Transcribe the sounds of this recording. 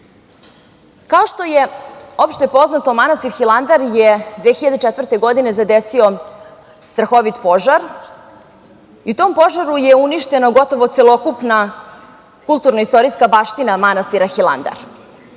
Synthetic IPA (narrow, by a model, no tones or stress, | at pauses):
kao̞ʃt̪o̞jeopʃt̪e̞po̞znat̪o̞manast̪iɾxilˠand̪aɾjed̪ʋexiʎad̪et͡ʃet̪ʋərt̪e̞ɡo̞d̪ine̞zad̪esio̞ | st̪ɾaxo̞ʋit̪po̞ʒaɾ | iut̪oːmpo̞ʒaɾujeuniʃt̪e̞noɡo̞t̪o̞ʋo̞t̪selˠo̞kupna | kulˠt̪uɾnoist̪o̞ɾiskabaːʃt̪inamanast̪iɾaxila̰nd̪a̰ɾ